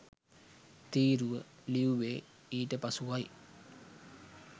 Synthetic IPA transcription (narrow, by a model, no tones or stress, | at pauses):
t̪iːɾuʋə | liuʋeː | iːʈəpɐsuʋaj